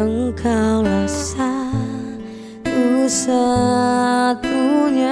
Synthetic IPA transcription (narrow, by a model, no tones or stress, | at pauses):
əŋkʰawlasa | t̪usa | t̪uɲa